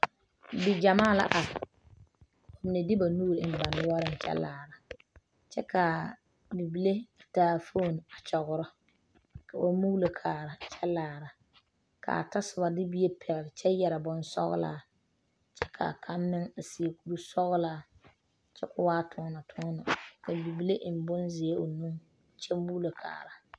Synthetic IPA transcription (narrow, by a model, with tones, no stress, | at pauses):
bi˨d͡ʒa˨maː˦˨la̰˦ʔa˨ | o˨mɪ˨ne˨dɪ˦ba˨nuː˦ɾɪ˨ɪ˦n˨ba˨nʊ˦wɔ˦ɾɪ˦n˨t͡ʃɛ̰˦laː˨ɾa˨ | t͡ʃɛ˦ka˨ | bi˨bi˨le˦a˨taː˨fo˦˨n˨a˨t͡ʃɔ˨ɣʊ˨ɾɔ˦ | kʰa˨ba˦mu˦ɣlo˨kʰaː˨ɾa˨t͡ʃʰɛ˦laː˨ɾa˨ | kʰa̰˨a˨ta˦sɪ˨ba˨dɪ˦bi˦je˦pʰɛ˨lt͡ʃɛ˦jɛ˨ɾa˨bɔ˦nsɔ̰˦ɣʊ̰˦la̰ː˨˦˨ | t͡ʃɛ˦kʰa̰˨kʰa˦nːɪ˦ŋa˨si˨e˨ku˦ɾu˦sɔ˦ɣʊ˦laː˦ | t͡ʃɛ˦kʊ˦waː˦tʰʊː˦na˨tʰʊ˦na˨ka˨bi˨bi˦le˦ʔm̩˨bʊ˦nzɪ˨e˦o˨nu˦ŋ˨ | t͡ʃɛ˦mu˦lo˨kʰa̰ː˨ɾa˨